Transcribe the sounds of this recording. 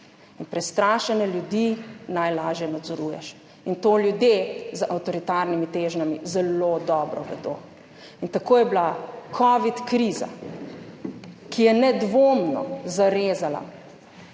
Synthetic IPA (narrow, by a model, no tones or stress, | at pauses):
inpɾɛst̪ɾaːʃɛnɛljud̪inajlaːʒjɛnad̪zɔɾuːjɛ̰ʃ | int̪oːljud̪jezəʔawt̪ɔɾit̪aːɾnimit̪eːʒnamizɛlod̪ɔːbɾɔʋɛ̰d̪o̰ː | int̪akoːjɛblakʰɔʋit̪kɾiːza̰ | kijɛnɛd̪ʋoːmnɔ̰zaɾeːzala̰